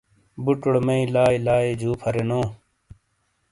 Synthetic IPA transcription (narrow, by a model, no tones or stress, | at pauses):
buʈʊɽmeĩlaːilaːeːd͡ʑʱuːpʰɐɾenõː